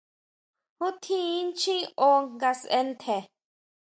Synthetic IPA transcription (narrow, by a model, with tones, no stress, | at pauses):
hu˦t̪ʰĩ˦i˦nt͡ʃʰĩ˦o˧ŋɡa˧se˧nt̪ʰe˨